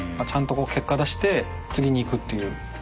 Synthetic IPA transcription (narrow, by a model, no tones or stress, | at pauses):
mat͡ɕʰant̪͈okokʰe̞k͈̚ad̪aɕi̥t̪e̞ | t͡sɯɡʲiɲiːkɯt̪͈ːɯjɯ